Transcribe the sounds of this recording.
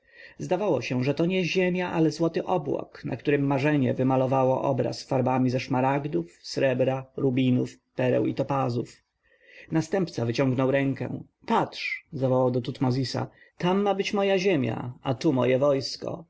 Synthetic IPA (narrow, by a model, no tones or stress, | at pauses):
zd̪avawɔɕɛʐɛt̪ɔɲɛʑemʲjaʔalɛzwɔt̪ɘʔɔbwɔ̰knʔa̰k̚t̪uɾɘmːaʐɛɲɛ̰vɘmalɔvawɔʔɔ̰bɾa̰sfaɾbamʲizɛʂmaɾaɡd̪ufsɾɛbɾaɾubʲinufpɛɾɛ̰wit̪ɔpazuf | nast̪ɛmpt̪savɘt͡ɕɔ̃ŋɡnɔwɾɛŋkɛ̰̃ | patʂzavɔwawd̪ɔt̪ut̪mɔzʲisa̰ | t̪amːabɘt͡ɕmɔjaʑemʲja̰at̪umɔjɛvɔjskɔ̰